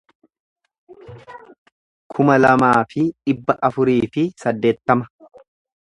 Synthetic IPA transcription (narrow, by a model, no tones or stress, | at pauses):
kʰʊmɐlɐmaːfɪᶑɪbːɐʔɐfʊɾiːfɪsɐd̪ːe̞ːt̪ːɐmɐ̥